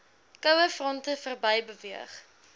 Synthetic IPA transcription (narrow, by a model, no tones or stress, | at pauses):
kəwəfrɔntəfərbɐjbəviəχ